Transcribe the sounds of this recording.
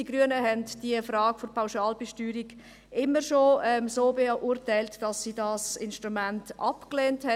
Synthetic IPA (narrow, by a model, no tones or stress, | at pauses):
iɡ̥ɾyənəɦɛndd̥iəfɾɑːɡ̥fopʰaʊʃɑːlbeʃtyːɾiɡ̥ | ɪmːəɾʃoɛmsoːbeʔutæɪltd̥ɑsːiːdɑsɪnʃtɾumæntʔɑpkleːnthɛ